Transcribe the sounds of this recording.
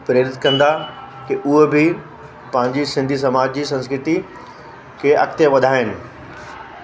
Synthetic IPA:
pɾeːɾɪt̪kɐ̃nd̪a | kiʔʊɦebʱɪ | pɐ̃ɦɪ̃ɲd͡ʑisɪ̃nd̪ʱis̬ɐmaːd͡ʑd͡ʑiːsɐ̃nskɾɪt̪i | kʰeʔɐ̰kt̪eʋɐd̪ʱaːɪnɪ̆

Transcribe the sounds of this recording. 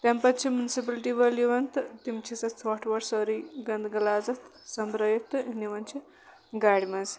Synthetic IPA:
t̪ampɐt̪t͡ʃʰimjunisip̬ɐlʈiʋɐliʋɐnt̪t̪imt͡ʃʰisɐt͡sʰʋɔʈʰʋɐɾsɔɾiɡɐnd̪ɡɐlaːd͡zɐt̪ | sɐmbɾɐjɐt̪ɨniʋɐnt͡ʃʰi | ɡaɽmɐz

